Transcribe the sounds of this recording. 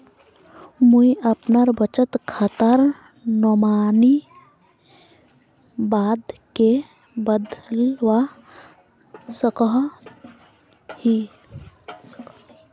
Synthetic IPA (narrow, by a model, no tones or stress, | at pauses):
muiəpnaɾbət͡ʃət̪kʰaːt̪əɾ | nɔmaːni | baːd̪ke | bəd̪lwa | səkəɦ | hi